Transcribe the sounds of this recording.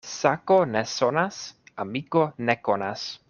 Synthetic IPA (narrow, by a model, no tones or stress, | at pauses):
sakonesonasamikonekonas